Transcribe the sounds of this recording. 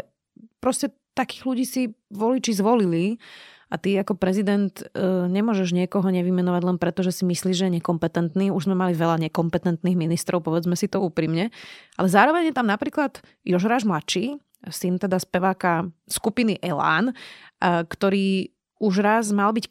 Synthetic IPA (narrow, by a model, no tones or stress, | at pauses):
pɾɔscɛ | t̪akiːɣluɟiːsiʋɔlit͡ʃizʋɔlili | at̪iakɔpɾɛzid̪ɛnt̪ːɲɛmʊɔʒɛʒɲɪɛkɔɦɔɲɛʋimɛnɔʋaɟlɛnpɾɛt̪ɔʒɛsimisliːʒɛjɛɲɛkɔmpɛt̪ɛnt̪niːuʒzmɛmaliʋɛlaɲɛkɔmpɛt̪ɛnt̪niɣminist̪ɾʔɔʊpɔʋɛd͡zmɛsit̪ɔuːpɾimɲɛʔa̰lɛzaːɾɔʋɛɲjɛt̪amnapɾiːklad̪̥ | jɔʒɾaːʒmlat͡ʃiː | sint̪ɛd̪aspɛʋaːkaskupiniʔɛla̰ːn | kt̪ɔɾiː | uʒɾazmalbic